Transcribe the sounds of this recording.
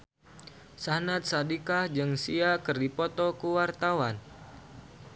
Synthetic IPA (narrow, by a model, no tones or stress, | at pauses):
sanat̪̚sadikahd͡ʒɨŋsiakɨrdipɔt̪ɔkuwart̪awan